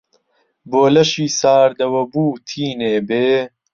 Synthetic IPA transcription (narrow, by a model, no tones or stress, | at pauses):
boːlɐʃiːsaːɾd̪ɐwɐbuːt̪ʰiːneːbeː